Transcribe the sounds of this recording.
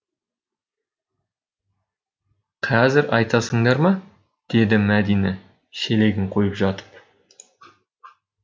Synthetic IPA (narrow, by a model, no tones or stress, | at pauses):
qʰɑzɪɾʔɑjt̪ɑsəɴd̪ɑɾmɑ | d̪̥e̞d̪ɪmæd̪ijne | ʃe̞le̞ɡʲɪɴqʰo̞jəpʒɑt̪ə̥p̚